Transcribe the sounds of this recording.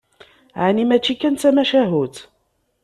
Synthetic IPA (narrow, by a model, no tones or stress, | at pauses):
ʕanimæt͡ʃːikːænt͡s̪æmæʃæɦut̪